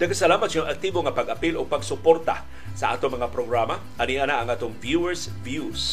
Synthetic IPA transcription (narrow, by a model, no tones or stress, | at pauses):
nɐɡkɐsɐlaːmɐt̪̚soŋʔɐk̚t̪iːboŋɐpɐɡʔɐpilʔoɡ̚pɐɡsʊpoɾt̪a̰ | sɐʔa̰ːt̪oŋmɐŋapɾoɡɾama | ʔɐniʔanaʔɐŋʔaːt̪oŋvjuɛɹs | vjus